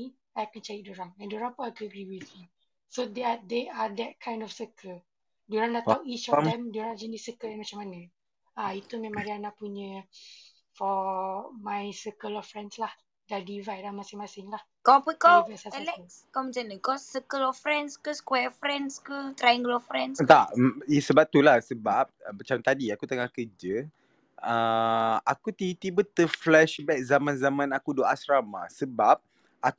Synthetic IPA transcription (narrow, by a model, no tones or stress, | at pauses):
ajakant͡ʃajidoɾaŋɛ̃ndoɾaŋpunakəaɡɾiwiθju | sod̪ead̪ead̪ɛt̚kʰãj̃ndɔfsəkʰəl | doɾaŋdatauit͡ʃɔt̪amdoɾãŋd͡ʒənisəkəlɛnmat͡ʃamanã | ait̪umɛ̃maŋɾianaʔpuɲə̃ | fɔmãjsəkəlɔfɹɛ̃ndslah | dadivajlamasɪŋmasɪŋlah | kɔpəkɔvɛsaɛlɛkskɔməd͡ʒanəkɔsəkəlɔfɾɛnskəskwɛfɾɛnskət̪ɾajŋɡəlɔfɾɛ̃nst̪aʔisəbap̚t̪ulahsəbap̚mat͡ʃamt̪adiakut̪əŋakəd͡ʒə | əakut̪it̪ibət̪əflɛʃbɛk̚zamãnzamãnakudoasɾama̰səbap̚ | ak